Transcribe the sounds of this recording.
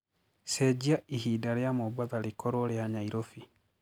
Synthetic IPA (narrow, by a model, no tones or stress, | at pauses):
sɛd͡ʑiaihidaɾjamobaðaɾekɔɾoɾeaɲaiɾofi